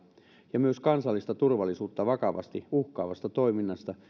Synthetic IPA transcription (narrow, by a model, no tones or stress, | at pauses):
jɑmyøskɑnsɑlːist̪ɑt̪urʋɑlːˑisuːt̪ːɑʋɑkɑʋɑ̰st̪iuhkɑ̰ːʋɑst̪ɑt̪oiminːɑst̪ɑ